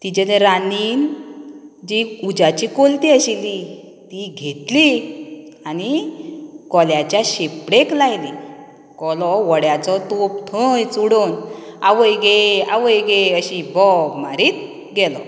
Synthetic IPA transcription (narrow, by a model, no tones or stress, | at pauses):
t̪id͡ʑelẽɾaniːn | d͡ʑiud͡ʑat͡ɕikolt̪iəɕili | t̪iɡʱet̪li | ani | kɔljat͡ɕjaɕepɽeklajli | kɔlɔʋəɽjat͡sɔt̪op̚t̪ʰəjt͡suɽonaʋəjɡea̰ʋəjɡeəɕibɔmaɾiːt̪̚ | ɡɛlɔ